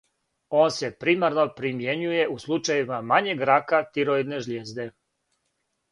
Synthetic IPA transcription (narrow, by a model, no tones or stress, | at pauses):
o̞ːnse̞pɾimaɾno̞pɾimje̞ɲuje̞ʔuslˠut͡ʃajimamaɲeɡɾakat̪iɾoid̪ne̞ʒlʲjeːzd̪e̞